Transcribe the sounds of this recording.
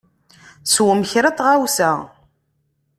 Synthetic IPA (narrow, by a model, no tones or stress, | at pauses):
swəməçɾat̪ˤʁawsæ